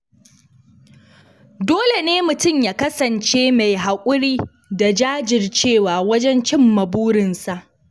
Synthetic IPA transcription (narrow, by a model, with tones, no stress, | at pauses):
doː˦le˨neː˦mʊ˨tʊ˦˨mjaː˨kɐ˦sɐ˨nt͡ʃeː˦ma˨jɦa˨kʷʼʊ˦ɾiː˦ | da˨d͡ʒaː˦d͡ʒɪ˨rt͡ʃeː˦˨waː˨wɐ˦d͡ʒɛ˦nt͡ʃɪ˦˨mːɐ˨buː˦ɽɪ˨nsa˨ʔ